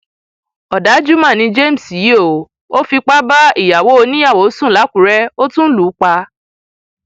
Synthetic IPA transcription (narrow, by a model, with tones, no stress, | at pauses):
ɔ˨da˨˦d͡ʒu˦mã˦˨nĩ˧d͡ʒe˦˨m̩˨si˨jo˦˨˦ | o˦fi˧k͡pa˦ba˦i˦˨ja˨wo˨˦o˧nĩ˦a˦˨wo˨˦sũ˦˨la˨˦kũ˨˦ɾɛ˦o˦tũ˦n̩˦lu˨˦k͡pa˧